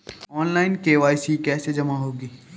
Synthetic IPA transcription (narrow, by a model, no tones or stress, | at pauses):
ɔːnlaːɪnkeʋaːisikɛːsed͡ʒɐmaɦoːɡiː